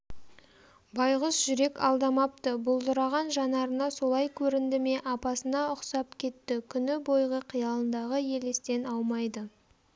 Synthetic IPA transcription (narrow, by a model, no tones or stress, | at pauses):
bɑjʁəsʒʏɾe̞kʲɑ̰lˠd̪ɑmɑp̚t̪əbʊlˠd̪əɾɑʁɑnʒɑnɑɾənɑso̞lˠɑjkʲʰɵɾɪnd̪ɪme̞ʔɑpɑsənɑʊqsɑp̚kʲʰe̞t̪ːɪkʲʰʏnɪbo̞jʁəqʰijɑlˠənd̪ɑʁəje̞lest̪e̞nɑwmɑjd̪ə